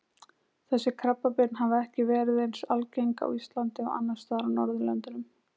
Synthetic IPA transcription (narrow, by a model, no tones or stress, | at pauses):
θɛsːɪkʰɾapːapɪt̪nɦavaɛhcɪvɛːɾɪðejnsalcejŋka̰wist̪lant̪ɪa̰wʔa̰nːḁst̪aːɾanɔɾðʏlɛ̰nt̪ɪnʏm